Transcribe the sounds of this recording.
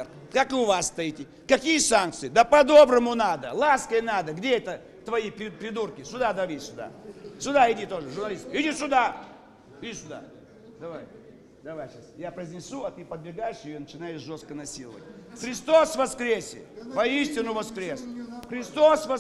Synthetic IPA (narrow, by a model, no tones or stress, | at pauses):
kakɨʊvasːt̪ɐitʲɪ | kɐkʲijəsank̪̚sɨjɪd̪apɐd̪o̞bɾəmʊnad̪əlˠaskəjnad̪əɡdʲeɛt̪ə | t̪vɐjipɾʲɪpɾʲɪd̪urkʲɪsʲʊd̪ad̪ɐʋʲisʲʊd̪a̰sʲʊd̪aɪdʲit̪o̞ʐɨʐʊrnɐlʲist̪ɪdʲisʲʊd̪a | ɪd̪ʲisʲʊd̪a̰ | d̪ɐvaj | d̪ɐvajɕasjapɾəzʲnʲɪsuɐt̪ɨpəd̪bʲɪɡajɪʂɪjjɪnət͡ɕɪnajɪʂʐo̞st̪kənɐsʲilˠəvʋə̰tʲxɾʲɪst̪o̞svɐskɾʲesʲɪ̰pɐisʲtʲɪnʊvɐskɾʲe̞sxɾʲɪst̪o̞svɐ